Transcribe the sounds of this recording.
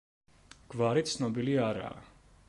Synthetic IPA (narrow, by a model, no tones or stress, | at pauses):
ɡ̥vaɾit̪sʰnɔbiliaɾa̰ː